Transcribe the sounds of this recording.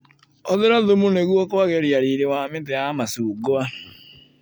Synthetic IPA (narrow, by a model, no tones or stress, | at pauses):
ɔðɪɾɔðomuneɣuɔkoaɣeɾjaɾiɾewamɪteamasuɡoa